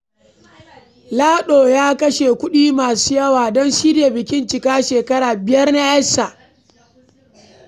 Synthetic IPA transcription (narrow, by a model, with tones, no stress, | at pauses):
laː˦ɗoː˨jaː˦kɐ˦ʃeː˨kʷʊ˦ɗiː˦maː˨su̥ː˦jɐ˦waː˨dɔ˦nʃiː˦de˨bɪ˨kʲɪ˦nt͡ʃɪ˨kaː˦ʃeː˨kɐ˦ɽaː˨bɪ˨jɐ˦rna˦ʔɐ˦sa˨ʔ